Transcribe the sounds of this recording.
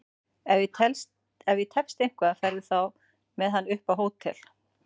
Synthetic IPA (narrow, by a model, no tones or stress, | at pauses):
ɛvjɪt̪ʰɛls | ɛvjɪt̪ʰɛpst̪ejŋ̥kvaðafɛɾðɪθaw | mɛðɦanːʏhpawɦoːwt̪ʰɪ̰l̥